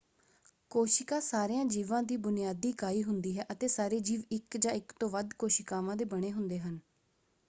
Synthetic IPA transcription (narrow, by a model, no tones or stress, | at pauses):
koːʃɪkãːsaːɾejãːd͡ʒiːʋãːd̪iːbʊnɪjaːd̪iːkaːiːɦʊnd̪iːɦɛːʔət̪eːsaːɾeːd͡ʒiːʋɪkd͡ʒãːɪkt̪õːʋəd̪koːʃɪkaːʋãːd̪eːbəɽ̃eːɦʊnd̪eːɦən